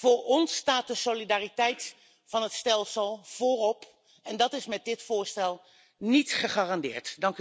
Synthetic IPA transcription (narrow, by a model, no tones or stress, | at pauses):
v̥ʊːɹɔnstaːt̚dəsolidaːritɛjt | fɑnɦətstɛlˠsəlˠv̥ʊːrɔp | ɛndɑtɪsmɛt̚dɪtfʊːɹstɛlˠ | nitχəχaːrɑndɪ̰ːɹtdɑŋk